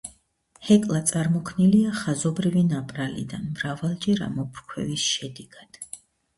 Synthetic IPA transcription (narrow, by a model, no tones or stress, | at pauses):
hɛkʼlˠat̪sʼaɾmɔkʰniliaχazɔbɾivinapʼɾalḭd̪anmɾavalˠd͡ʒɛɾa̰mɔpʰɾkʰwɛ̰visʃɛd̪ɛɡ̥ad̪̥